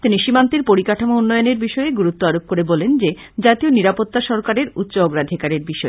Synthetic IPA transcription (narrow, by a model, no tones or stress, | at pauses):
t̪iniʃimant̪iɾpoɾikaʈʰomounːɔjoneɾbiʃɔeɡuɾut̪ːoaɾob̚koɾebɔlend͡ʑe | d͡ʑat̪ioniɾapot̪ːaʃɔɾkaɾeɾut̪ːɕoɔɡɾad̪ʱikaɾeɾbiʃɔe